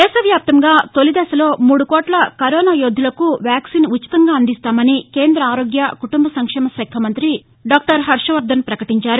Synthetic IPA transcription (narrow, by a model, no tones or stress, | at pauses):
d̪ɛːsɐʋjaːp̚t̪ɐŋɡaːt̪o̞lid̪ɛːʃɐlo̞ːmuːɽukɔːʈlɐkɐɾɔːnaːjod̪ʱːulɐkuʋjaːksiːnuːi̥t̪ɐŋɡaːɐnd̪ist̪aːmɐnike̞ːnd̪ɾɐaːɾoːɡjɐkuʈumbɐsɐŋkʂɛːmɐsɛːkʰɐmɐnt̪ɾi | ɖaːk̚ʈɐɾɦɐɾʂɐʋɐɾd̪ɐnpɾɐkɐʈiɲt͡ʃaːɾu